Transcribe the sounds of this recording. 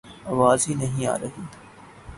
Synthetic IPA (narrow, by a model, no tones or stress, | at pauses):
ɐʋaːzinɐɦĩa̰ːɾɐɦiː